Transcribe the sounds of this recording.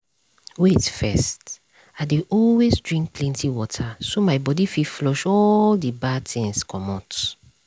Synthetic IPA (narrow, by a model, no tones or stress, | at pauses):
wetfɛst | aɪdeɔlwezdɹĩŋk̚klɛ̃ntʰiwɔtʰasomaɪbɔdififlɔʃɔldibatʰɛ̃nskʰɔ̃mɔt